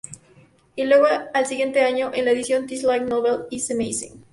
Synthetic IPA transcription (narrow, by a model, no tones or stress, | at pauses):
ilweɣaalsiɣje̞nt̪eaɲoʔenlaeðisjo̞nt̪islajknoβelisemejsḭ̃ŋ